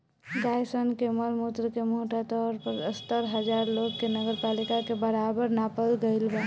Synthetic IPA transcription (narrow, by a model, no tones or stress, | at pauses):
ɡajsənkeməlmut̪ɾəkemoʈat̪ɔɾpəɾəst̪əɾɦəd͡ʒaɾloɡkenəɡəɾpalikakebəɾabəɾnapəlɡəɪlba